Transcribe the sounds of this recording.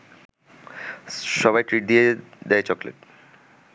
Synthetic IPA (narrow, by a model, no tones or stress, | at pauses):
ʃɔβajʈɾiʈ̚d̪ied̪ɛet͡ɕɔklḛʈ